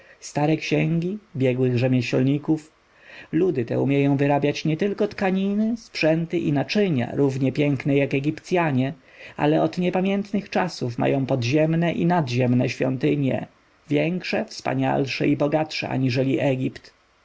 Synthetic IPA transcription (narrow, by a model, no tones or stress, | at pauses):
st̪aɾɛkɕɛŋɡʲibʲjɛɡwɘɣʐɛmʲjɛɕɔ̰lɲikuf | lud̪ɘt̪ɛ̰umʲjɛjɔ̃w̃vɘɾabʲjat͡ɕɲɛt̪ɘlkɔt̪kaɲinɘspʂɛnt̪ɘʔinat͡ʂɘɲa̰ɾuvɲɛpʲjɛŋknɛjakɛɡʲipt̪sʲjaɲɛa̰lɛɔd̪ɲɛpamʲjɛnt̪nɘxt͡ʂasufma̰jɔ̃w̃pɔd̪ʑɛmnɛʔḭnad̪ʑɛmnɛɕfʲjɔ̰nt̪ɘɲjɛ̰ | vʲjɛŋkʂɛfspa̰ɲa̰lʂɛ̰ibɔɡat̪ʂɛ̰ʔa̰ɲiʐɛlʲiʔɛɡʲipt̪